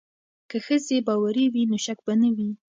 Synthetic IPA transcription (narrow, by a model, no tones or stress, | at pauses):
kəxəzebɑwaɾiwinoʃak̚banawi